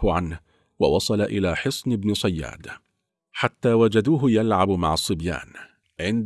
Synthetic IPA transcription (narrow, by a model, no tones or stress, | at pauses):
hʊʕanh | wɑ̰wɑsˤɑlaʔɪlaːħɨsˤnɪbnɪsˤɑjːa̰ːd̪ | ħat̪ːaːwad͡ʒad̪uːɦʊjalʕabmaʕɑsˤːɨbja̰ːn | ʕɪnd̪